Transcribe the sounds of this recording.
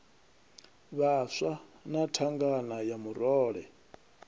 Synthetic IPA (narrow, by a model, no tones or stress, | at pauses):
βaʂanatʰaŋɡanajamuɾɔːɺɛ